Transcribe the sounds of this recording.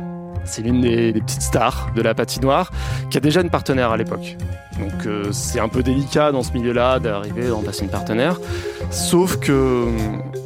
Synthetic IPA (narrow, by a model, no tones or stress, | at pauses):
sɛlynd̪ed̪epət̪i̥t̪st̪aʁd̪əlapat̪inwaʁkʲiad̪eʒaynpaʁt̪ənɛʁalepɔk | d̪ɔ̃køsɛt̪ɛ̃pød̪elikʲad̪ɑ̃səmiljølad̪aʁivedʁɑ̃plaseynpaʁt̪ənɛʁsofkəm